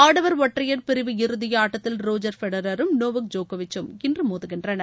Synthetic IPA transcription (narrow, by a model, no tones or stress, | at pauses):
aːɽɐʋɐɾʋɔʈːrɪjɐɾpɪɾɪʋɯɪɾɯðɪjɐaːʈːɐt̪ːɪlɾoːd͡ʒɐɾfɛɽɐɾɐɾɯmnoːʋɯk̚d͡ʒoːkɐʋɪt͡ʃːɯmɪndrɯmoːðɯɣɪndrɐnɐ